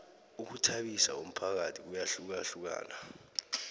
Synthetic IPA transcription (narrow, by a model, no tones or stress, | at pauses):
uk̬utʰaɓisa̰om̩pʰak̬atʰik̬ujaɬuk̬aɬuk̬a̰ːna